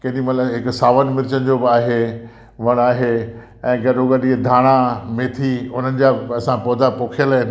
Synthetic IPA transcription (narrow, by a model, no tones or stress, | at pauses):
kɐ̃ɦɗĩmɐt̪ləbɦɪksaːʋənɪ̆mɪɾɪt͡ɕənɪd͡ʑobɪaːɦe | ʋɐɽ̃aːɦe | ɛ̃ːɡɐɗoɡɐɗid̪ʱaːɽ̃amẽt̪ʰiʊn̤ənɪ̆d͡ʑaːɐsãpɔːd̪apoːkʰjəla